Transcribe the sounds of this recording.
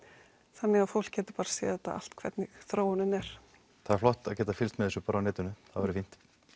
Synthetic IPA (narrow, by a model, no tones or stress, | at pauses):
θanːɪɣaðfowl̥kːɛːt̪ʏ̥paːɾḁseːjðɛt̪a̰a̰l̥t̪kʰvɛ̰t̪nɪɣθɾoːwʏnʏnɛɾ̥ | t̪ʰaɛflɔht̪aðcɛːt̪afɪlst̪mɛðɛsʏpaːɾawnɛːt̪ʏnʏθaðvɛɾʏɪfin̥t̪